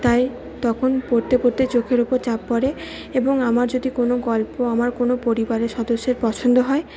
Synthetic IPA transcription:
t̪aj | t̪ɔkʰonpoɾt̪epoɾt̪et͡ɕokʰeɾupoɾt͡ɕapːɔɾe | eboŋamaɾd͡ʑod̪ikonoɡɔlpoamaɾkonopoɾibaɾeʃɔd̪oʃːeɾpɔt͡ɕʰond̪oɦɔe

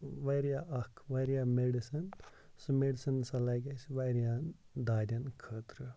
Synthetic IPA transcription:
ʋɐjɾijaːʔɐkʰʋɐɾijaːmeɖisɐn | sɨmeɖisɐnsɐlɐɡɐsʋɐɾijaː | d̪aːd̪ʲɐnkʰəːt̪ɾɨ

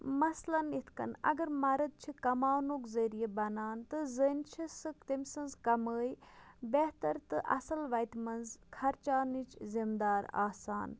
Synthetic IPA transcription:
mɐslɐnit̪ʰkɐ̰nɐ̰ɡɐɾmɐɾɐd̪̚t͡ʃʰikɐmaːwnoːkzɐɾijebɐnaːnt̪ɨzənt͡ʃʰisɨkt̪emsɐnzkɐməːjbeht̪ɐɾt̪ɨʔɐ̰sɐlʋɐjt̪mɐnzkʰɐɾt͡ʃaːnit͡ʃʰzimd̪aːɾa̰ːsaːn

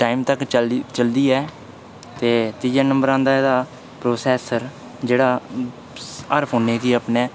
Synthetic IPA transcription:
ʈaːimt̪əkt͡ʃəld̪iːɛː | t̪eːt̪iːd͡ʒaːnəmbəɾãːnd̪aːed̪aː | pɾoːsɛːsəɾ | d͡ʒeːɽaː | əɾpʰoːneːkiːəpneː

